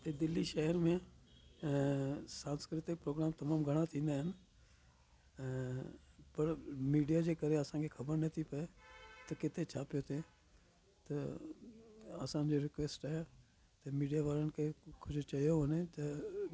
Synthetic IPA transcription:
t̪ed̪ɪlːiʃɛɦəɾmẽ | sãːnskɾɪt̪ɪk̚pɾoːɡɾaːmt̪ɐmaːmɡʱɐɽ̃at̪ʰĩːn̆d̪aɦɪn | pɐɾmiːɖijad͡ʒeːkəɾeɐsãkʰekʰɐbəɾnɐt̪ʰipɐet̪ɐkɪt̪et͡ʃʰaːpɪjot̪ʰeː | t̪ɐ | ɐ̰sãd͡ʒoɾɪkʋeːsʈaɦɛ | t̪emiːɖijaʋaːɾənkʰekʰʊd͡ʒt͡ʃɐijoɦonet̪ɐ

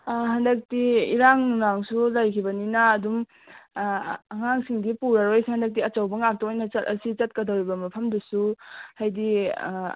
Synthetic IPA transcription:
hɐndɐk̚tiiɾaŋnaŋsulajkʰibɐninɐːdum | ɐŋaŋsiŋdipuɾaɾojsihandɐk̚tiɐt͡ʃawbɐŋak̚toojnɐt͡ʃɐtɐ̰sit͡ʃɐt̚kɐdɐwɾibɐmɐpʰɐmdusuhajdi

